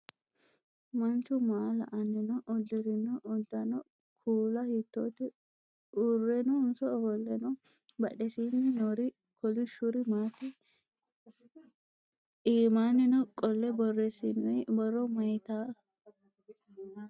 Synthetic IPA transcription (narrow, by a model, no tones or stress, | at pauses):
mɐnt͡ʃʊmaːlɐ̰ʔɐnːɛnɔʔɔd̪ːɪɾɪnɔʔːd̪ːɐnɔ | kʰuːlɐhɪt̪ːo̰t̪ɪ | ʔʊrːɛnɔʊnsɔhɔlːɛnɔ | bɐɗɛsinɪnoɾɪ | kɔlɪʃʊɾɪmaːt̪ɪ | iːmaːnɛnɔkʼɔlːɛbɔrːɛsɪnʊjbɔrːɔmɐjt̪a